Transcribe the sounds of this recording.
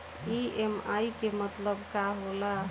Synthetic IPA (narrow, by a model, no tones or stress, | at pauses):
iemajkemət̪ləbkaɦola